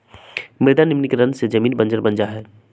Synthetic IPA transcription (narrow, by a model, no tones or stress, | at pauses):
mɪɾd̪anɪmnɪkɾɐ̃nsed͡ʒɐmiːnbɐ̃nd͡ʒəɾbɐ̃nd͡ʒaɦɛː